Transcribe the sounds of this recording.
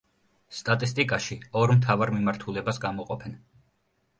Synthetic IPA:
st̪ʼat̪ʼist̪ʼikʼaʃiɔɾmt̪ʰavaɾmimaɾt̪ʰulɛbasɡamɔqʼɔpʰɛn

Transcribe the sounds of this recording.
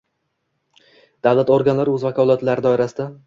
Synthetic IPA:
d̪̥avlat̪oɾɡʲanlaɾɵzvakʰɒlˠat̪laɾɪd̪ɒɪɾasɪd̪a

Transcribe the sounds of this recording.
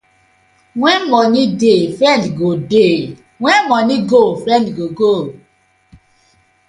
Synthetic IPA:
wɛ̃nmɔnidefɾɛ̃ndɡode | wɛ̃nmɔniɡofɾɛ̃ndɡoɡo

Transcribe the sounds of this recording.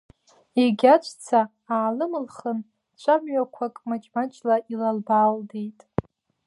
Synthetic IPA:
eɡʲat͡ʃʷʰt͡sʰaː | lɨmɨlχən | t͡ʃʷʰamɥakʷʰakʼmat͡ʃʼmat͡ʃʼlaʔilalbaːldejtʼ

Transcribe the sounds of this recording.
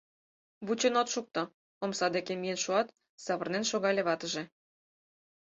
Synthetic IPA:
βut͡ɕenot̪ʃuk̚t̪ɤ | omsɑd̪ekemijenʃuɑt̪ | sɑβərnenʃoɣɑlʲeβɑt̪ə̆ʒĕ

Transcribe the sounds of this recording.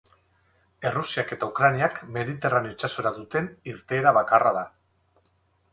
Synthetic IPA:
e̞rusiake̞t̪aukɾaniakme̞ð̞it̪e̞raneot͡ʃaso̞ɾaðut̪e̞niɾt̪e̞ːɾaβakarað̞a

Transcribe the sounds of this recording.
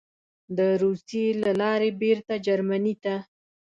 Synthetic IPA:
d̪əɾusjelalɑɾebeɾt̪ad͡ʒaɾmanit̪a

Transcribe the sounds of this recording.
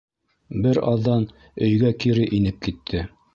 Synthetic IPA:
bɘɾɑðːɑn | ɵ̆jɡækiɾɘʔinɘp̚kit̪ʰːɘ

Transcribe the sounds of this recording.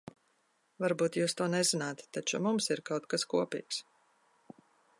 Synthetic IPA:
vaɾbuːt̪juːst̪uɔnɛzinaːt̪ːat͡ʃumumsiɾkawt̪̚kaskuɔpḭːks

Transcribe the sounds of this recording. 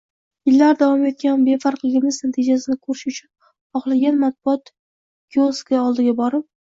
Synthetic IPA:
jɪlːaɾd̪avɒme̞t̪̚kʲanbe̞faɾqlˠɪɡʲɪmɪznat̪ʰɪd͡ʒasɪnɪkʰɵɾɪʃʊt͡ʃʰʊn | ɒχlˠaɡʲanmat̪̚b̥ʊɒt̪ | ɡ̥ʲioskaɒlˠd̪ɪɡʲabɒɾɪp̚

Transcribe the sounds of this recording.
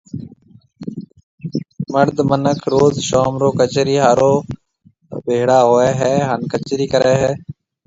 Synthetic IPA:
məɾd̪mənəkʰɾoːzʃoːmɾoːkət͡ʃɾiːɦaːɾoː | bʱeːɽaːɦoːeːɦɛːɦənkət͡ʃɾiːkəɾeːɦɛː

